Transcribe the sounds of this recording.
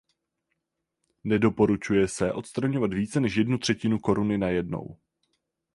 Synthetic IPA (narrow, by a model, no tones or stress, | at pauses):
nɛdo̞po̞ɾut͡ʃujɛsɛʔo̞t̪st̪ɾaɲo̞vat̪viːt͡sɛnɛʃjɛdnut̪r̥ɛcɪnuko̞ɾunɪnajɛdno̰w